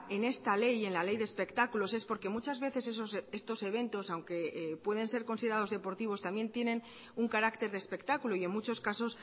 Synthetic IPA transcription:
e̞ne̞st̪ale̞je̞nlale̞jðespe̞kt̪akulo̞se̞spo̞ɾke̞mut͡ʃazβe̞θe̞sesosest̪o̞se̞β̞e̞nt̪o̞sawŋke̞pwe̞ðe̞nse̞ɾko̞nsiðeɾað̞ozðe̞po̞ɾt̪iβ̞o̞st̪amje̞nt̪je̞nẽ̞n | uŋkaɾakt̪e̞ɾðespe̞kt̪akuloie̞ŋmut͡ʃo̞skaso̞s

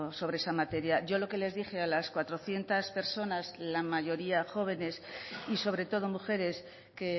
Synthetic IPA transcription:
so̞β̞ɾeesamat̪e̞ɾjaʝo̞lo̞ke̞le̞zðixe̞alaskwat̪ɾo̞θje̞nt̪aspe̞ɾso̞nazlamaʝo̞ɾiaxo̞β̞e̞ne̞siso̞β̞ɾe̞t̪o̞ð̞o̞muxe̞ɾe̞s | ke̞

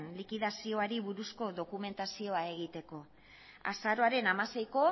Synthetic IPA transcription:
nlikiðasio̞aɾiβuɾusko̞ðo̞kume̞nt̪asio̞ae̞ɣ̞it̪e̞ko̞ | a̰saɾo̞aɾe̞namase̞jko̞

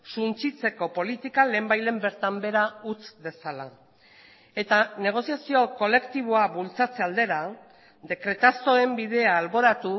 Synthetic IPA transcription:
sunt͡sit͡se̞ko̞po̞lit̪ikale̞ːmbajle̞mbe̞ɾt̪ambe̞ɾaut͡sde̞sala | e̞t̪ane̞ɣ̞o̞siasio̞ko̞le̞kt̪iβ̞o̞aβult͡sat͡se̞ald̪e̞ɾa | d̪e̞kɾe̞t̪aso̞e̞mbiðe̞aːlβo̞ɾat̪u

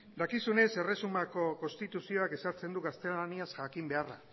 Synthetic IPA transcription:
d̪akisune̞se̞re̞sumako̞ko̞nst̪it̪usio̞ake̞saɾt͡se̞nd̪uɣast̪e̞laniasʝakimbe̞ara̰

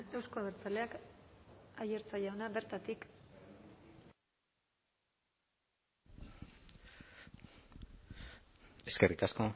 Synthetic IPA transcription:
e̞wsko̞aeɾt͡sale̞ak | aje̞ɾt͡sajaonaβe̞ɾt̪at̪ik | e̞ske̞rik̪asko̞

